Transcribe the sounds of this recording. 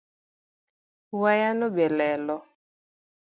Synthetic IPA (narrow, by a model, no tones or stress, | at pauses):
wajanobɛlɛlɔ